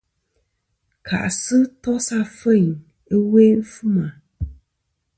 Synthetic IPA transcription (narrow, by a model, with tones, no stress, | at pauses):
kʰa̰˨ʔsɨ˦tɔ˦sa˦fə˦˨ŋ | ə˦we˦fu˦ma˨